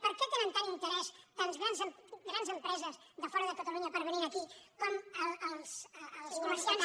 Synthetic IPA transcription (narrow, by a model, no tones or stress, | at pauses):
pəɾkɛt̪enənt̪anint̪əɾɛst̪anzɣɾanzəɡɾanzəmpɾɛzəz | ðəfɔɾəðəkət̪əluɲəpəɾβəninəkikɔməəlˠsːlˠskuməɾsian